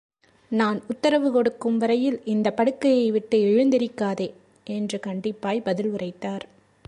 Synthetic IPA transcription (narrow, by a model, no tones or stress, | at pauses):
naːnʊt̪ːɐɾɐʋɯkɔɽɯkːɯmʋɐɾɐjɪlɪnd̪ɐpɐɽɯkːɐjɐɪʋɪʈːɯɪɻɯnd̪ɪɾɪkːaːðeː | ʔɛndrɯkɐɳɖɪpːaːjbɐðɪlɯrɐɪt̪ːaːɾ